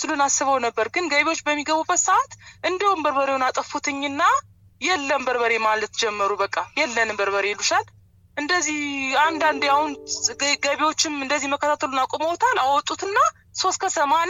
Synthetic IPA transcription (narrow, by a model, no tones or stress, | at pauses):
sɨlunasːɨβəwnəbːəɾɡɨnɡəβewo̞t͡ʃːbəmːiɡəβubːət̪saat̪ʔɨnd̪əwumbəɾβəɾewnat̪ʼəfut̪ʰɨɲːɨnːa | jɛlːəmbəɾbəɾe̞malət̪d͡ʒɛmːəɾubəkʼːajɛlːənɨmbəɾβəɾeluʃal | ʔɨnd̪əzːihand̪and̪jahunɡəβewot͡ʃːɪmɨnd̪əzːihməkʰːət̪ʰat̪ʰəlunakʼoməwt̪ʰalawɔt̪ʼːut̪ɨnːa | so̞st̪kʰət̪ʰəman